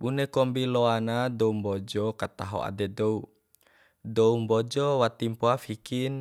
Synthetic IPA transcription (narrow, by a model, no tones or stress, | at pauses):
bunɛkɔmbilɔanadɔumbɔd͡ʒɔkat̪aɦo̰a̰dɛdou | dɔumbɔd͡ʒɔwat̪impoafikin